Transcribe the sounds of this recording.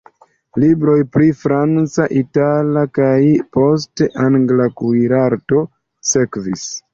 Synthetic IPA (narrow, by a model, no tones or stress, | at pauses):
libɾo̞jpɾifɾant͡saʔitalakajpo̞s̬teʔaŋɡlakujɾaɾto̞ | se̞kvis